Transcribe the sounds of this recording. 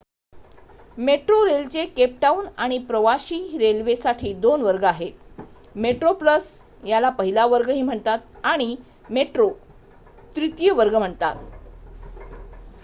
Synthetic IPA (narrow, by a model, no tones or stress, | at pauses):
meʈɾoɾelt͡sekep̚ʈaunaɽ̃ipɾəʋaɕiːɾelʋesaʈʰiːd̪onʋəɾɡəaɦet̪ | meʈɾopləs | jalapəɦilaʋəɾɡəɦiːm̤əɳt̪at̪aɽ̃i | meʈɾo | t̪ɾit̪ijəʋəɾɡəm̤əɳt̪a̰t̪